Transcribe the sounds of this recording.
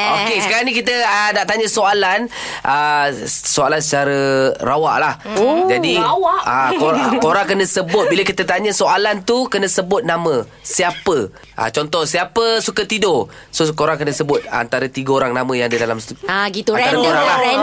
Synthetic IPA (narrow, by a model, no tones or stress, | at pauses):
okkesəkaɾaŋnikit̪əənaʔt̪aɲəsoalan | ʔə | soalansət͡ʃaɾərawaʔlahd͡ʒadiwaakoɾkoɾaŋkənə̃səbʊt̪̚biləkit̪ət̪aɲəsoalant̪ukənəsəbʊt̪̚namə̃siapə | ʔa̰t͡ʃɔnt̪ɔhsiapəsukat̪idosokoɾaŋkənəsəbʊt̪̚a̰nt̪aɾət̪iɡəoɾaŋnamə̃jãŋadədalamsɡit̪aaɾəkoɾaŋlah